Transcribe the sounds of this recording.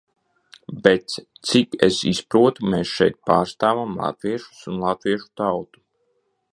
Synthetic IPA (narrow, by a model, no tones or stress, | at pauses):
bet̪st̪sikḛsispɾuɔt̪umeːsʃɛjt̪̚paːɾst̪aːvamlˠa̰t̪viɛʃu̥sunlˠat̪viɛʃu̥t̪awt̪u̥